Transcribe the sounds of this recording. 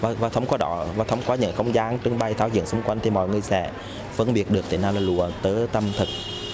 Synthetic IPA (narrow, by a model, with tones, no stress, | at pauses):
vaː˨˩vaː˨˩t̪ʰə˨˦wŋ͡mkɔ˨˦ɗɔ̰˧˩vaː˨˩t̪ʰə˨˦wŋ͡mkɔ˨˦ɲɨ̰˧˥ŋxə˧wŋ͡mzaː˨˦nt͡ɕɨ˧əŋɓa˧˩jt̪ʰaː˧˦wzḭ˧˨əŋsʊ˨˦ŋ͡mkwa˧jŋ̟t̪ʰi˨˩mɔ̰˧˨jŋɨ˨˩əjsɛ̰˧˥ | fə˧nɓi˨˩ət̚ɗɨ˨˩ək̚t̪i˨˩naː˧˩wlaː˨˩lu˨˩ət̪əː˨˦t̪ə˧mt̪ʰɨ˨˩k̚